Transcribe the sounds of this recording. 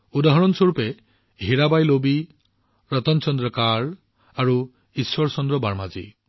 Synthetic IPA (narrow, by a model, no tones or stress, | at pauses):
ud̪aɦɔɾɔnsɔɾupe | ɦiɾabajlobi | ɾɔt̪ɔnt͡ʃɔnd̪ɾɔkaɾ | aɾu | iswɔɾɔsɔnd̪ɾɔbaɾmad͡ʒḭ